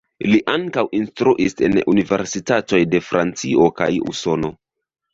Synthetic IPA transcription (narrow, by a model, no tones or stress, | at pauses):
liʔaŋkawinstɾuʔise̞̰nunive̞ɾsitato̞jde̞fɾa̰nt͡sio̞ka̰jṵso̞no̞